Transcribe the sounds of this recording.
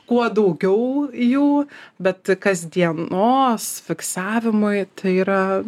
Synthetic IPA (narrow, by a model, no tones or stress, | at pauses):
kuɔd̪ɐʊɡʲɛʊjuːbʲɛt̪kɐzʲd̪ʲiɛnoːsfʲɪksɑːʋʲɪmʊɪt̪ɐɪiːɾɐ